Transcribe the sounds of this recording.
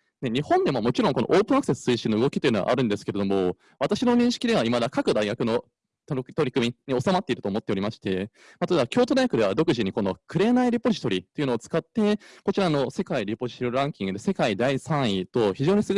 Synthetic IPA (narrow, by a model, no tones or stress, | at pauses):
ne̞ɲ̟ihõnd̪e̞momo̞t͡ɕiɾõ̞ŋkono̰ʔo̞ːpɯ̟̃ak̟sesɨ̥sɨiɕĩnːoɯ̟ɡokʲi̥t̪ojɯ̟na̰ʔa̰ɾɯ̟̃nd̪e̞sɨ̥ke̞ɾe̞d̪omo̞ | β̞at̪aɕino̞ɲ̟ĩɕi̥kʲid̪e̞β̞aimad̪akakɯ̟d̪aiɡakɯ̟no̞ | t̪t̪o̞ɾʲikɯ̟mʲiɲ̟io̞samat̪ːe̞iɾɯ̟t̪oːmo̞t̪ːe̞o̞ɾʲimaɕi̥t̪e̞ | mat̪oebakʲo̞ːt̪o̞d̪ajɡakɯ̟d̪e̞βad̪o̞kɯ̟ʑiɲ̟iko̞no̞kʰɯ̟ɾe̞ːnaiɾʲipo̞ʑi̥t̪o̞ɾʲit̪ːo̞jiɯ̟noːt͡sɨ̥kat̪ːe̞kot͡ɕiɾano̞se̞kaiɾʲipo̞ʑi̥t̪oɾãŋkʲĩŋɡɯ̟d̪e̞se̞kaid̪aisãɰ̃it̪o̞çiʑo̞ːɲ̟isɨɡo